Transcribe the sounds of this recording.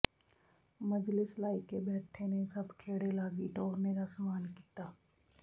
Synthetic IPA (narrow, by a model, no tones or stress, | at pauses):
məd͡ʒlɪslaːɪkebɛːʈʰenesɐbkʰeːɽelaːɡiʈɔːɾned̪asəmaːnkiːt̪aː